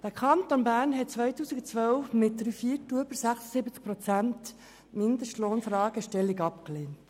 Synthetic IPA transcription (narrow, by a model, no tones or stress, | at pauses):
d̥əkʰɑntonbæːɾnɦɛt̚t͡sʋœjtuːsiɡut͡sʋœlfmɪt̚d̪ɾyːfiəɾtːuəbəɾsæχsə̥sɪbət͡sk̚pɾɔt͡sænt | mɪnd̪əʃtloːnfɾɑːɡ̥əʃtɛlːiɡɑpkleːnt